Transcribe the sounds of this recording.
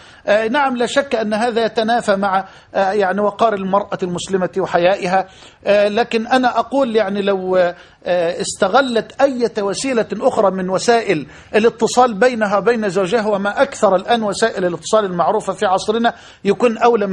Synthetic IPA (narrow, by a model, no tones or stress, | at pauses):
ʔnaʕamlaːʃakːʔanːɦaːðajat̪anaːfamaʕa | jaʕniwɑqɑːɾɪlmɑɾˤʔalmʊslɪmawɪħajaːʔɪɦa | laːkɪnʔanaʔɑquːljaʕnilaw | ɪst̪aɣalːat̪ʔajːat̪wasiːlaʔʊxɾˤɑːmɪnwasaːʔɪl | ʔɪlɪt̪ːɨsˤɑːlbajnaɦawbejnazawd͡ʒahwamaʔakθɑɾˤɪlʔaːnwasaːʔɪlɪlɨt̪ːɨ̥sˤɑːlɪlmaʕɾuːfafiːʕɑsˤɾɪna | jakuːnʔawla